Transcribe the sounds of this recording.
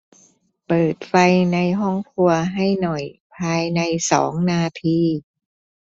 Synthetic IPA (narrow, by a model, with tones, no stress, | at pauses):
pɤː˨˩t̪̚fa˧jna˧jɦɔ˥˩ŋkʰu˧ɐɦa˥˩jnɔ˨˩jpʰaː˧jna˧jsɔ̰ː˩˦ŋnaː˧t̪ʰiː˧